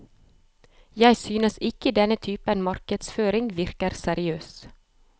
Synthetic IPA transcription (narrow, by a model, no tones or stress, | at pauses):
jæɪsyːnəsɪkəd̪ɛnət̪ʰyːpənmɑɾkəd̪sføːɾɪŋʋɪɾkəɾsæɾɪøːs